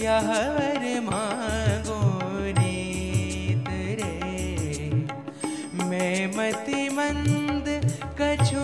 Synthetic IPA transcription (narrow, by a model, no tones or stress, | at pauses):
jaɦɐʋɐɾmãːɡoni | t̪ɨɾe | mɛ̃mɐt̪imɐ̃nd̪kɐt͡ʃʰo